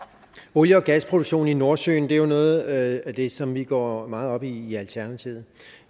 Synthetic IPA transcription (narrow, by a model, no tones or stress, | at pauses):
oljəɒ̽ɡ̥æspʰʁod̥uɡ̥ɕo̝̰ːnino̝ɐsø̰ːn̩d̥e̝æjo̝nɔ̽ːð̩ˠæd̥e̝sɒ̽mʋiɡ̥ɒ̰ːmɑ̈ːð̞̩ˠɒ̽b̥iːælt͡sʰæɐnæt͡sʰiʊð̞̩ˠ